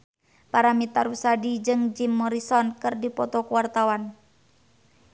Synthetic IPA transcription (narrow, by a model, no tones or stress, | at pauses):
paɾamit̪aɾusadid͡ʒɨŋd͡ʒimːɔɾisɔnkɨrdipɔt̪ɔkuwart̪awan